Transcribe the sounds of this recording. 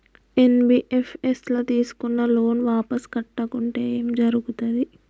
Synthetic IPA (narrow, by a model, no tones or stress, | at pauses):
enbiːʔepʰeslot̪iːsu̥kunːɐloːnʋaːpɐskɐʈːɐkuɳʈeːeːmd͡ʒɐɾuɡut̪ɐd̪i